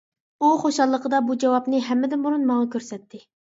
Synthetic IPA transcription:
uχoʃɑlˠːəqəd̪ɑbud͡ʒɛwɑpnɪɦɛmːɪd̪ɪnbuɾunmɑŋɑkʲøɾsɛt̪ʰːɪ

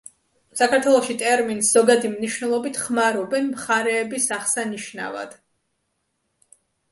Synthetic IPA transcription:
sakʰaɾt̪ʰwɛlˠɔʃit̪ʼɛɾminsz̥ɔɡad̪imniʃnɛlˠɔbit̪ʰχmaɾɔbɛnmχaɾɛːbisaχsaniʃna̰va̰d̪̥

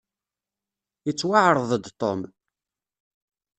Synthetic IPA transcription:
ət͡sːwaʕɾˤəðˤəd̪t̪ːo̰m

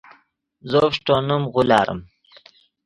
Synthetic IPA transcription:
zopʂʈonumʁulaːɾə̰m

